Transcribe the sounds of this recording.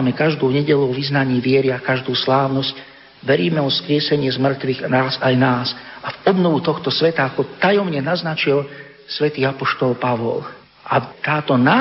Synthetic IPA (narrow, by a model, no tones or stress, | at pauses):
mɛkaʒd̪uːɲɛɟɛʎuɔʋiznaɲiːʋɪɛɾiakaʒd̪uːslaːʊnɔsc | ʋɛɾiːmɛɔskɾɪɛsɛɲɪɛzmr̩t̪ʋiɣnaːzajnaːsʔavɔbnɔʋut̪ɔxt̪ɔsʋɛt̪akɔt̪ajɔmɲɛnaznat͡ʃil | sʋɛt̪iːapɔʃt̪ɔlpaʋɔ̰l | ʔat̪aːt̪ɔnaː